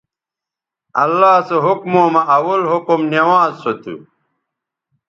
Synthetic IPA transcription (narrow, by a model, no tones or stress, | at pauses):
ɐlːaːseɦukmoːmɐʔɐwɐlɦokumnewãːzsot̪ṵ